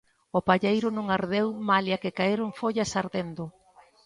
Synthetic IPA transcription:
ʊpaʎejɾʊnõŋaɾðewmaljakɪkaeɾoŋfoʎɐsaɾðend̪ʊ

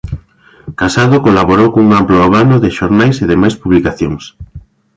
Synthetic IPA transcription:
kasaðokolaβoɾowkouŋamploeβanoðɪʃoɾnajseðemajspuβlikaθjoŋs

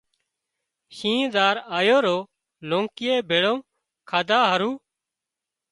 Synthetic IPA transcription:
ʃĩːd̪aːɾaːjoːɾoː | lõːŋkɪjeːbʱeːɽõː | kʰaːd̪aːɦəɾuː

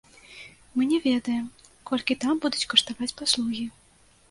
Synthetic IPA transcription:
mɨnʲɛvʲɛd̪ɐjɛmkɔlʲkʲit̪ambud̪ut͡sʲkɐʂt̪avat͡sʲpaslˠuɣʲi

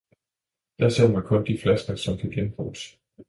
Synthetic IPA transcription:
d̥æseðmænkʰɔ̽nd̥iflæsɡ̥ɐsɒ̽mkʰæɡ̥enb̥o̰̥ːs

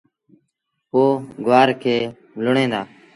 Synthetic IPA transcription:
poːɡʊaːɾkʰeː | lʊɳẽːd̪aː

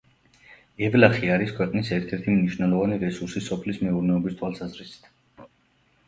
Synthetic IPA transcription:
ɛvlaχiaɾiskʰwɛqʼnisɛɾt̪ʰɛɾt̪ʰimniʃvnɛlˠɔvaniɾɛsuɾsisɔpʰlismɛuɾnɛɔbist̪ʰwalˠsazɾisi̥t̪ʰ

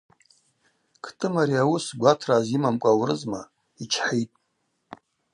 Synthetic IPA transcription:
kʰtʰʼɨmaɾiawʊsɡʷatʰrazimamkʷʼawrɨzma | it͡ʃʰħijtʼ

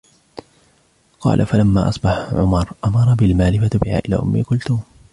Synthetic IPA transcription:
qɑ̰ːlʔa̰falamːa̰ːʔɑsˤbɑħʕʊ̰mɑɾˤʔamɑɾˤɑbɪlmaːlɪfabɪha̰ːʔɪla̰ːʔʊmːiːkʊlt̪ʊ

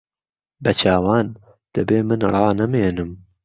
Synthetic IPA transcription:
bɐt͡ʃʰaːwaːn | d̪̥ɐbeːmɨnrˤɑːnɐmeːnɨm

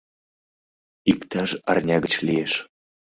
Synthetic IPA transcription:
ikt̪ɑʃɑ̰rnʲɑɣət͡ɕlieʃ

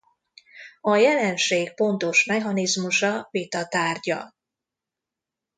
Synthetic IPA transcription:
ɒjɛlɛnʃeːk̚po̞nt̪o̞ʃmɛɦɒnizmuʃɒvit̪ɒt̪aːrɟɒ̰

